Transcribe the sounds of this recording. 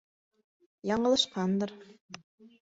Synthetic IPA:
jɑɴɤ̆lˠɤ̆ʃqɑnd̪ɤɾ

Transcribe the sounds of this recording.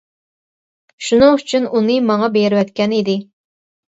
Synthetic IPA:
ʃunɨŋyt͡ʃʰynunɨmɑŋɑbeɾɪwɛt̪kʲɛnid̪ɪ

